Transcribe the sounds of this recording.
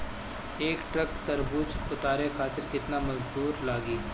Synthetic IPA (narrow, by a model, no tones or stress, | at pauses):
eːkʈɾɐkt̪ɐɾbut͡ʃʊt̪aːɾekʰaːt̪ɪɾkɪt̪namɐd͡ʒd̪uːɾlaːɡiː